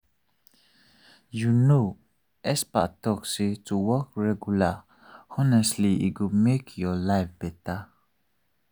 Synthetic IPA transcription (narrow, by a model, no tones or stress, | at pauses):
juno | ʔɛspa̰ʔtɔksituwɔkɹɛɡjula | ɔnɛstliḭɡumekʰjɔlaɪfb̥ɛta